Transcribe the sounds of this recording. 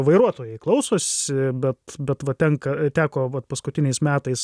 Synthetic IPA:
ʋɐɪɾuɔt̪oːjɛɪklˠɒʊsoːsʲɪbʲɛt̪bʲɛt̪ʋɐt̪ʲɛŋkɐt̪ʲæːkoːʋɐt̪pɐskʊt̪ʲɪnʲɛɪsmʲæːt̪ɐɪs

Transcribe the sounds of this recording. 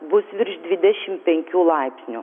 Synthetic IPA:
bʊsʋʲɪɾʲʃd̪ʲʋʲɪd̪ʲɛʃʲɪmpʲɛŋʲkʲuːlˠɐɪpʲsʲnʲu

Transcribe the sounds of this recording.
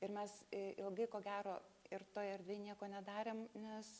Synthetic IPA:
ɪɾmʲɛsɪlˠɡɐɪkoːɡʲæːɾoːɪɾt̪oːɪɛrd̪ʲʋʲeːnʲiɛkoːnʲɛd̪ɑːɾʲeːmnʲɛs

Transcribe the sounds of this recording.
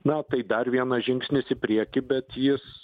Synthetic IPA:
nɐt̪ɐɪd̪ɐrʋʲiɛnɐʒʲɪŋksʲnʲɪsɪpʲɾʲiɛkʲɪbʲɛt̪jɪs

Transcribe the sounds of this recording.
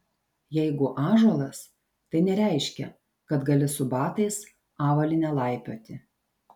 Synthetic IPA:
jɛɪɡʊʔɑːʒɔlˠɐs | t̪ɐɪnʲɛɾʲæˑɪʃʲkʲɛ̰ | kɐt̪ɡɐlʲɪsʊbɑːt̪ɐɪs | ɑːʋɐlʲɪnʲɛlˠɑˑɪpʲoːt̪ʲɪ

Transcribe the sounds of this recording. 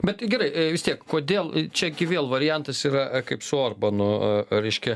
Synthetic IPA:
bʲɛt̪ɡʲɛɾɐɪʋʲɪst̪ʲiɛkkoːd̪ʲeːlˠt͡ʃʲɛɡʲɪʋʲeːlˠʋɐɾʲɪjɛnt̪ɐsiːɾɐkɐɪpsʊoːrbɐnʊɾʲɛɪʃʲkʲɛ

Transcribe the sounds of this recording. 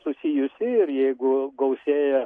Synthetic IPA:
sʊsʲijʊsʲɪɪɾjɛɪɡʊɡɐʊsʲeːjɛ

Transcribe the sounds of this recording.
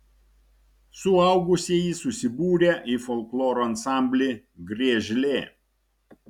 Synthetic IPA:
sʊɐˑʊɡʊsʲeːjiˑsʊsʲɪbuːɾʲeːʔifɔlʲˠklˠoːɾoɐnsɑˑmʲbʲlʲɪ | ɡɾʲiɛʒʲlʲeː

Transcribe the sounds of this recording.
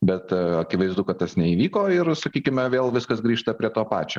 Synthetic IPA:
bʲɛt̪ɐkʲɪʋɐɪzd̪ʊkɐt̪̚t̪ɐsnʲɛiːʋʲiːkoːɪɾsɐkʲiːkʲɪmʲɛʋʲeːlˠʋʲɪskɐsɡɾʲiːʃt̪ɐpʲɾʲiɛt̪oːpɑ̰ːt͡ʃʲoː

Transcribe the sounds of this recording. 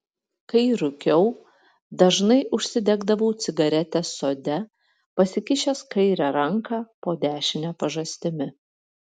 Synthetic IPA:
kɐɪɾʊkʲɛʊ | d̪ɐʒnɐɪʔʊʃʲsʲɪd̪ʲɛɡd̪ɐʋɐʊt̪sʲɪɡɐɾʲɛt̪ʲɛsoːd̪ʲɛ | pɐsʲɪkʲɪʃʲeskɐɪɾʲɛɾɐŋkɑːpoːd̪ʲæːʃʲɪnʲæːpɐʒɐsʲt̪ʲɪmʲɪ

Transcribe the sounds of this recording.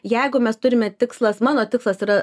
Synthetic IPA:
jɛɪɡʊmʲɛst̪ʊɾʲɪmʲɛt̪ʲɪkslˠɐsmɑːnoːt̪ʲɪkslˠɐsiːɾɐ

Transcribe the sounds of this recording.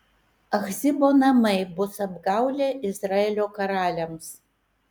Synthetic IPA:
ɐxzʲɪboːnɐmɐɪbʊsɐbɡɑʊlʲeʔɪzɾɑːelʲoːkɐɾɑːlʲɛms

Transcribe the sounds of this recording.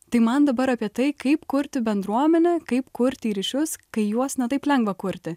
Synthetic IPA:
t̪ɐɪmɐnd̪ɐbɐɾɐpʲiɛt̪ɐɪkɐɪpkʊɾʲt̪ʲɪbʲɛnd̪ɾuɔmʲɛnʲɛkɐɪpkʊɾʲt̪ʲɪiːɾʲɪʃʲʊskɐɪjuɔsnʲɛt̪ɐɪplʲɛŋɡʋɐkʊɾʲt̪ʲɪ

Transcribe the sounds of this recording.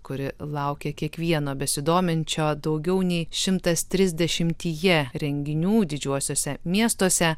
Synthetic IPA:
kʊɾʲɪlˠɐʊkʲeːkʲiɛkʋʲiɛnoːbʲɛsʲɪd̪oːmʲɪnʲt͡ʃʲoːd̪ɐʊɡʲɛʊnʲɛɪʃʲɪmt̪ɐst̪ʲɾʲɪzʲd̪ʲɛʃʲɪmʲt̪ʲiːjɛɾʲɛŋʲɡʲɪnʲuːd̪ʲɪd͡ʒʲuɔsʲoːsʲɛmʲiɛst̪oːsʲɛ

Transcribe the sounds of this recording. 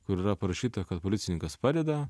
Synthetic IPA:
kʊɾiːɾɐpɐɾɐʃʲiːt̪ɐkɐt̪̚polʲɪtsʲɪnʲɪŋkɐspɑːd̪ʲɛd̪ɐ

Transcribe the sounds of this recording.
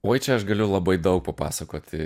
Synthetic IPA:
oːjt͡ʃʲɛɐʃɡɐlʲʊlˠɐbɐɪd̪ɐʊk̚pɐpɑ̰ːsɐkoːt̪ʲɪ

